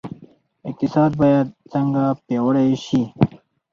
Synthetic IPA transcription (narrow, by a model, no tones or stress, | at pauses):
ɪk̚t̪ɪsɑːd̪̚bɑjad̪̚t͡səŋɡapjɑwəɽajʃi